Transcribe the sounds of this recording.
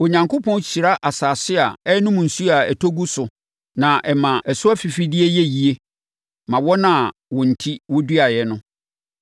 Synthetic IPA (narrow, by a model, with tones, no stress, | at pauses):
o˨ɲã˨ŋkʰo˦pʰɔ̃˦n˦ɕi˨ɾa˦ʔa˨saː˨sɪ˦a˨ɛ˦nʊ̃˦mũ˨n̩˨su˦a˨ɛ˨tʰo˦ɡu˦sʊ˨ | nã˨ʔɛ˨mã˨ʔɛ˨sʊ˦a˦fi˨fi˦dɪ˦e˦jɛ˦ji˨e˦ | mã˨wɔ˦nã˨wɔ̃˨n̩˨tʰi˦wɔ˦dɥa˨jɛ˨nʊ̃˦